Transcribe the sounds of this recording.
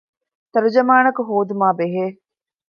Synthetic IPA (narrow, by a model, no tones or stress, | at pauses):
t̪ɐɾud͡ʒɐmaːnɐkuɦoːd̪umaːbeɦeː